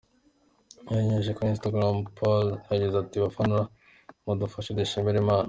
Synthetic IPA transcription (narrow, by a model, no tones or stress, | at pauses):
maeɲeʒ̬ekoinstaɡɾampʰolaɟizatiβafanuɾa | mudufaʃedeʃembeɾemaːna